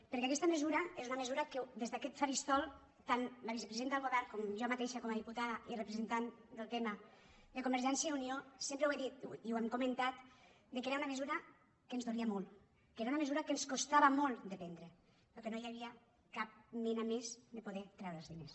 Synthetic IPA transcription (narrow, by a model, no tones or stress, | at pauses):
pəɾkɛakɛst̪aməzuɾɐezunamezuɾakəd̪ezðakɛt̪faɾist̪ɔlˠ | t̪anlaβisəpɾzent̪aəlˠɣoβɛɾkɔmʒɔmat̪eʃakɔmaðiput̪aðairepɾezent̪and̪əlˠt̪ɛmad̪əkumbəɾʒɛnsjauniosempɾəweðit̪iwɛmkumənt̪at̪ | d̪əkeɾaunaməzuɾɐ | kənzðoliamɔlˠ | keɾaunaməzuɾɐkənskost̪aβamolˠd̪əpɛnd̪ɾə | ləkenojaβia | kap̚menamezd̪əpoðɛt̪ɾɛwɾəlzðines